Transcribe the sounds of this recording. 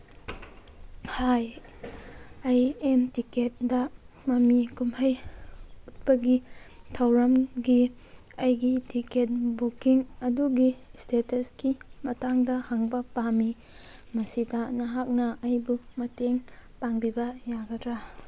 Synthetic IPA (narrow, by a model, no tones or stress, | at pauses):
haj | ɐjemtiket̚dɐ | mɐmikumhɐj | ut̚pɐɡi | tʰɐwɾɐmɡi | ɐjɡitiket̚bukiŋɐduɡistʰetɐskimɐtaŋdɐhaŋbɐpami | mɐsidɐnɐɦak̚nɐɐjbumɐteŋpaŋbibɐjaɡɐdɾa